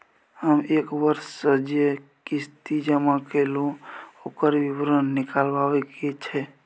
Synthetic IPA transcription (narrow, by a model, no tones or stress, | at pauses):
həmekbəɾssəd͡ʒekist̪id͡ʒəmakeluokəɾbibɾənːikalbabɛket͡ʃʰɛ